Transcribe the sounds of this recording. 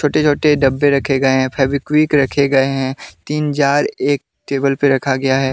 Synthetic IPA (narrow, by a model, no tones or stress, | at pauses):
t͡ʃʰoːʈet͡ʃʰoːʈeɖɐbːeɾɐkʰeɡɐeɦɛ̃pʰɛɾbikwiːkɾɐkʰeɡɐeɦɛ̃t̪iːnd͡ʒaːɾeːk̚ | ʈeːbəlpeɾɐkʰaɡɐjaɦɛː